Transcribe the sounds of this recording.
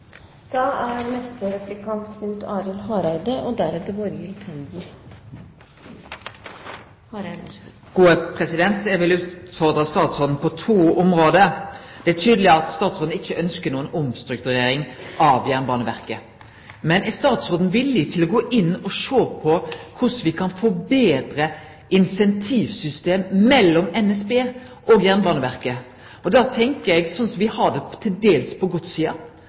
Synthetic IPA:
d̪̥ɑːæɾnɛst̪əɾɛplɪkʰɑnt̪kʰnʉt̪ʰɑːɾɪlɦɑːɾɑɾd̪əʔɔd̪æɾɛt̪əɾʋɔɾɪlk̪ʰɑnɡ̪i | ɡ̥uːəpʰʁɛsɪd̪ɛnt̪ɛʋɪlʉːt̪fɔʁd̪ɑst̪ɑːt̪sɔd̪n̩pʰɔt̪ʰuːɔmʁoːd̪əd̪̥ɛæʈ̪ʰyːd̪əlɪəɑt̪st̪ɑːt̪sɔːd̪n̩ɪçːəʔœnskənuːənɔmst̪ɾʉk̚t̪ʉʁeːɾɪŋʔɑʋjæʁnbɑːnəʋæ̰ɾkə | mɛnst̪ɑːt̪soːd̪n̩ʋɪlːɪt̪ʰɪlɔɡoːʔɪnːɔʂoːpʰɔkʰʊsʋɪkʰɑnfɔbeːd̪ɾə | ɪnsɛnt̪ʰiːʋsʏst̪eːmːɛlːɔmɛnɛsbeː | ʔɔɡjæʁnbɑːnəʋæɾkə | ɔd̪ɑt̪ʰɛŋkəɾɛɡsɔnsɔmʋɪhɑdɛt̪ʰɪld̪eːlspʰɔɡɔt̪siːɑ̰

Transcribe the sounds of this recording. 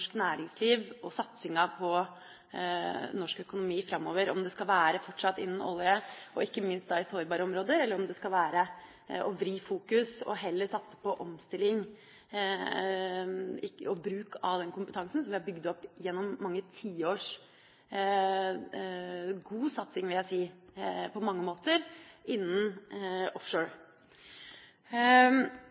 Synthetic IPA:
ʂknæːɾɪŋsliːʋɔsɑt̪sɪŋəpʰɔ | nɔʂkœkʊnʊmiːfɾɑmːoːʋəɾɔmd̪ɛskɑlʋæːɾəfɔʈʂɑt̪ːɪnːn̩ɔ̰lɪəɔɪkːəmɪnst̪d̪ɑːɪsoːɾbɑːɾəɔmɾoːd̪əɾɛlːəɾɔmd̪ɛskɑlʋæːɾə | ʔɔʋɾiːfuːkʉsɔ̰ɦɛlːəsɑt̪sə̥pɔʔɔmst̪ɪlɪŋ | ɪɔbɾʉːkʰɑʋd̪ɛnkʰʊmpət̪ʰɑŋsn̩sɔmʋɪhɑbʏɡd̪əɔpːjɛnːɔmːɑŋːət̪ʰiːoːʂ | ɡuːsɑt̪sɪŋʋɪljæɪsiːpʰɔmɑŋːəmoːt̪əɾɪnːənɔfʂoːɹ

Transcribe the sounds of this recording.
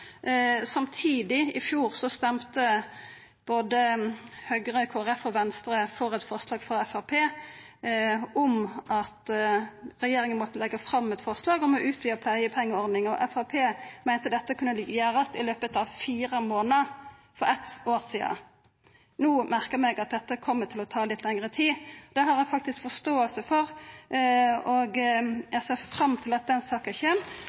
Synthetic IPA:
sɑmt̪ʰiːd̪ɪɪfjuːʁsɔst̪ɛmt̪ə | b̥oːd̪əhœɡʁəkʰoːæʁɛfɔʋɛnst̪ɾəfɔɾɛt̪fɔʁslɑːɡfɔʁɛfæpʰeː | ɔmʔɑt̪ | ʁɛjeːɾʁɪŋənmɔt̪ːəlɛɡːəfɾɑmːɛt̪fɔʁslɑːɡɔmɔʔʉːt̪̚byːəʁpʰlæɪəpʰɛŋːəɔʁd̪nɪŋɔʔɛfæpʰeːmæɪnt̪əd̪ɛt̪ːəkʉnːəlɪɡjæːɾəst̪ɪløːpət̪ɑʋfiːʁəmoːnə | fɔɾɛt̪oːʁsiːə̰ | nuːmæʁkəmɛɡɑt̪̚d̪ɛt̪ːəkʰɔmːət̪ʰɪlɔt̪ʰɑːlɪt̪lɛŋəʁət̪ʰiːd̪̥ɛɦɑɾæfɑk̚t̪ɪskfɔst̪oːəlsəfɔʁ | ɔɡjæsɛfʁɑmːt̪ʰɪlɑt̪̚d̪ɛnsɑːkənçeːm

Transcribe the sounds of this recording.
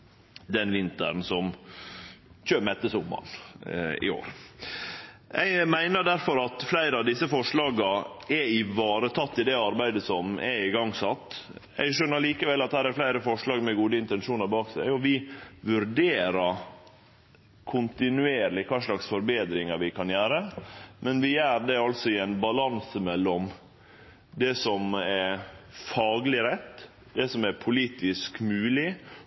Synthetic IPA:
d̪ɛnʋɪnt̪ə̰ɾnsɔm | çøːmɛt̪ːəsʊmːɑ̰n | ɪ̰o̰ːɾ | ɛ̰mæɪnəɖæɾfɔɾɑt̪flæɪɾəɑʋd̪ɪsːəfɔʂɭɑːɡɑɛɪʋɑːɾət̪ʰɑt̪ːɪd̪ɛɑɾbæɪd̪əsɔmʔɛ̰ɪɡɑŋːsɑt̪ː | ɛ̰ɪɡʃœnːəɭiːkəʋɛlːɑt̪̚hæːɾæɾflæɪɾəfɔʂɭɑːɡmɛɡuːd̪əɪnt̪ɛnʂuːnɑɾbɑːksæɪɔʋɪʋʉɾɖeːɾəɾ | kʰʊnt̪ɪnʉeːɾlɪkʰɑːʂlɑksfɔɾbeːd̪ɾɪŋɑɾʋɪkʰɑnjæːɾəmɛnʋɪjæːɾɖ̪ɛɑlsɔɪɛnbɑlɑnsəmɛlːɔm | d̪ɛsɔmɛɾfɑːɡlɪɾɛt̪ː | d̪ɛsɔmɛɾpʰʊliːt̪ɪskmʉːlɪ

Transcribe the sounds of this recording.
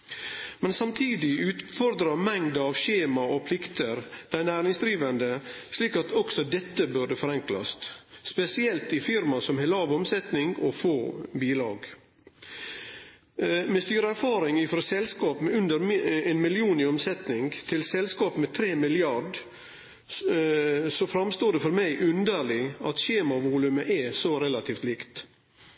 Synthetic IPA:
mɛnsɑmt̪ʰiːd̪ɪʔʉːt̪fɔɾd̪ɾɑmɛŋd̪ɑʋɕeːmɑɔpʰlɪkt̪əɾd̪̥æɪnæːɾɪŋsd̪ɾiːʋənd̪əsliːkɑt̪ʰɔksɔd̪ɛt̪ːəbʉɖəfɔɾɛŋklɑ̰st̪spɛsɪɛlt̪ɪfɪɾmɑsɔmheːlɑːʋɔmsɛt̪nɪŋɡɔfoːbiːlɑ̰ːɡ | mɛst̪yːɾəæɾfɑːɾɪŋɪfɾɔsɛlskɑːpmɛʉnd̪əɾɛnmɪlɪuːnɪɔmsɛt̪nɪŋɡt̪ʰɪlsɛlskɑːpmɛt̪ʰɾeːmɪlɪɑɖ | sɔfɾɑmst̪oːɖɛfɔɾmæɪʔʉnd̪əɭɪɑ̰t̪ɕeːmɑʋuːlʉməʔɛsɔɾɛlɑt̪ʰiːft̪liːkt̪

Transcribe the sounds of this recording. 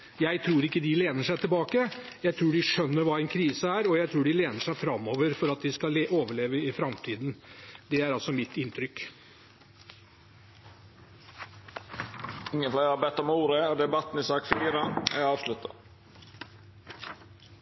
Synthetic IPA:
jæɪt̪ʰɾuːɾɪkːəd̪ɪleːnəʂæɪt̪ʰɪlbɑːkə | jæɪt̪ʰɾuːɖɪʂœnːəɾʋɑːɛnkʰɾiːsəæːɾɔjæɪt̪ʰɾuːɖɪleːnəʂæɪfɾɑmːɔːʋəɾfɔɾɑt̪̚d̪ɪskɑeʔoːʋəɭeːʋəɪfɾɑmt̪ʰiːd̪nd̪ɛæɾɑlsɔmɪt̪ɪnt̪ʰɾʏk | ɪŋːənfleːhɑbɛt̪ːɔmuːɾəɔd̪ɛbɑt̪ːn̩ɪsɑːkfiːɾɑnɛ̰ɑːʋʂlʉt̪ʰːɑ̰

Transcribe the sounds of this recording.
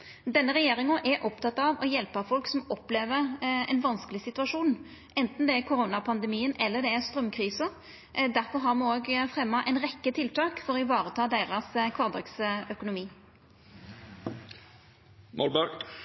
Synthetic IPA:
d̪ɛnːəɾɛjeːɾɪŋəʔɛɾʔɔpt̪ʰɑt̪ːɑʋɔjɛlpɑfɔlksɔmɔpleːʋəɾɛ̰ɪnʋɑnskəlɪsɪt̪ʉɑʂuːn | ʔɛnt̪n̩d̪ɛækʰʊɾoːnɑpʰɑnd̪ɛmiːənɛlːəd̪ɛæst̪ɾœmkʰʁiːsə | d̪æɾfɔɾɦɑʁmɑnoːɡfɾɛmːɑʔɛɪnɾɛkːət̪ʰɪlt̪ʰɑːkfɔɾɔɪʋɑːɾət̪ʰɑːd̪eɪʁɑskʰʋɑːʁd̪ɛksœkʊnʊmiː | mʔɔ̰lbɑ

